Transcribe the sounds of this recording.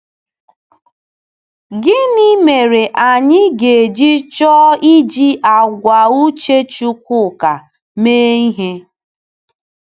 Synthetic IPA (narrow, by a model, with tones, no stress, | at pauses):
ɡɪ˦ni˦me˨ɾe˨ʔa˨ɲɪ˦ɡe˨d͡ʒi˦t͡ʃɔ˦i˦d͡ʒi˦ʔa˨ɡʷa˨u˦t͡ʃe˦t͡ʃu˦kʷʊ˦˨ka˨ | meː˦i˦ɦe˦